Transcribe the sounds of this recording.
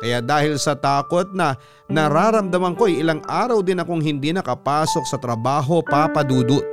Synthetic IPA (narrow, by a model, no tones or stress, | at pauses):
kɐjad̪aːhɪlsɐt̪aːko̞t̪̚nɐ | nɐɾaːɾɐmd̪ɐmɐŋko̞ʔɐjɪlaŋʔaːɾɐwd̪ɪnɐkoŋɦɪnd̪inɐkɐpaːso̞k̚sɐt̪ɾɐbaːɦo̞paːpɐd̪uːd̪oʔ